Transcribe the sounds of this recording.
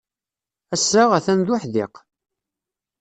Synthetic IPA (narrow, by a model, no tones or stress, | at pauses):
æsɾaʁæθænðʊħðɪ̰q